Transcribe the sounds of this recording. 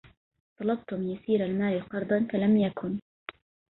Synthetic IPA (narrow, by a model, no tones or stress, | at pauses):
sˤɑlɑb̚t̪ʊmjasiːɾalmaːʔiqɑɾˤd̪ˤɑnfalamjakʰʊn